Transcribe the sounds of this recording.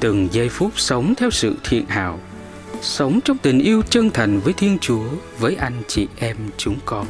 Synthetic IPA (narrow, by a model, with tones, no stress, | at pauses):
t̪ɨ˨˩ŋzə˧jfu˦˥p̚sə˨˦wŋ͡mt̪ʰɛ˧wsɨ̰˧˨t̪ʰḭ˧˨ənha̰ː˧˨w | sə˨˦wŋ͡mt͡ɕɔ˧wŋ͡mt̪ï˨˩ŋ̟ʔi˧əwt͡ɕə˧nt̪ʰa˨˩jŋ̟vəː˨˦jt̪ʰi˧ənt͡ɕu˨˦ə | vəː˨˦jʔa˧jŋ̟t͡ɕḭ˧˨ʔɛ˧mt͡ɕʊ˨˦ŋ͡mkɔ˧n